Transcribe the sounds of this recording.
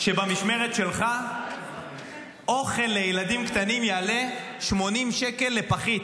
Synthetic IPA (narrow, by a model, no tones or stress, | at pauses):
ʃe̞bamiʃme̞ʁet̪ʃe̞lχa | ʔo̞χe̞lːejeladimkt̪animjaːle | ʃmo̞nimʃeke̞lːe̞paχit